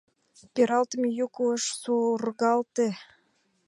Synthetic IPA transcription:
peɾɑlt̪əmejukuəʃsurɣɑlt̪e

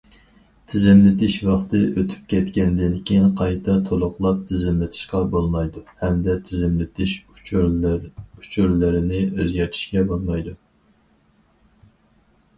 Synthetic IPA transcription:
t̪ʰɪzɪmlɪt̪ʰɪʃwɑχt̪ɨʔøt̪ʰy̥p̚kʲʰɛt̪kʲɛnd̪ɪnkʲʰejiŋqʰɑjt̪ʰɑt̪ʰolˠʊχlˠɑp̚t̪ʰɪzɪmlɪt̪ʰɪ̥ʃqɑbolˠmɑjd̪uhɛmd̪ɛt̪ʰɪzɪmlɪt̪ʰɪʃ | ut͡ʃʰuɾlɪɾɪnɪezɡʲɛɾt̪ʰi̥ʃkʲɛbolˠmɑjd̪u

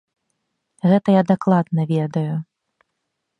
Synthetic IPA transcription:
ɣɛt̪ɐjad̪aklˠad̪̚nɐvʲɛd̪ɐju

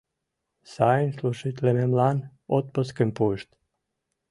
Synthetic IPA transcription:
sajinsluʃit̪lʲememlan | ot̪̚pɔskempujʃt̪

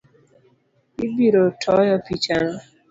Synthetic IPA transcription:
ibiɾotʰɔjɔpit͡ʃanɔ

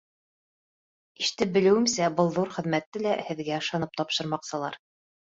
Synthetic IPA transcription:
iʃt̪ɘp̚bɘ̆lɘ̆wɘ̆msæbɤlˠðuɾχɘ̆ðmæt̪ːɘlæhɘ̆ðɡæɤ̆ʃɑnɤp̚t̪ɒpʃɤ̆ɾmɑqsɤ̆lˠɑ̰ɾ

